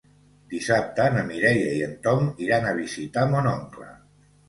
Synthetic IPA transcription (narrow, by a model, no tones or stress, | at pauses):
d̪̥isap̚t̪ənəmiɾɛjəiənt̪ɔmiɾanəβizit̪amonɔŋklə̰